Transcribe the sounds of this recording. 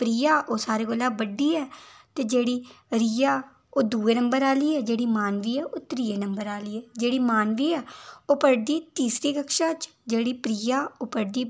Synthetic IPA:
pɾiːaːʔoːsaːɾeːkolãːbəɖiːɛːt̪eːd͡ʒeːɽiːɾiːaː | oːd̪uːeːnəmbəɾaːliːɛːd͡ʒeːɽiːmaːnʋiːɛːʔoːt̪ɾiːeːnəmbəɾaːliːɛːd͡ʒeːɽiːmaːnʋiːɛːoːpəɾd̪iːt̪iːsɾiːkəkʃãːt͡ʃ | d͡ʒeːɽiːpɾiːaːoːpəɾd̪iː

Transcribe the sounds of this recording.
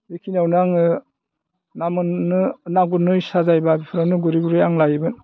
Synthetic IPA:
bekʰinawnaŋɯ | namɯnːɯnaɡunɯjsazajbabipʰɯɾawnɯɡuɾiɡuɾɯjaŋlajɯbɯn

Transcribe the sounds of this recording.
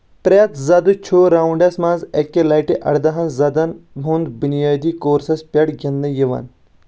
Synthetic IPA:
pɾʲɐt̪zɐd̪ut͡ʃʰuːɾaːuɳɖɐsmãːnzɐkːelɐːjʈiʔɐ̰ɽd̪ɐɦɐ̃nzɐd̪ɐnbʱund̪bunijaːd̪iːkoːɾsɐspʲɐɽɡʲɐnd̪ɐ̃jiʋɐ̰n

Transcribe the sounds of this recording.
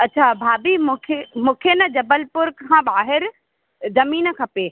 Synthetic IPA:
ɐtːt͡ɕʰabʱaːbimʊkʰemũːkʰenɐd͡ʑɐbəlpʊɾkʰãːɓaːɦɪɾ | zɐmiːn̆kʰɐpeː

